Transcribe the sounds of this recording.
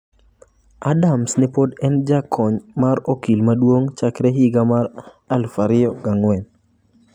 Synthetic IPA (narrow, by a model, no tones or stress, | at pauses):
adamsnɪpodɛnd͡ʒakʰɔɲmaɾokilmadwoŋt͡ʃakɾɛɦiɡamaɾ | alfaɾɪɔɡaŋwɛn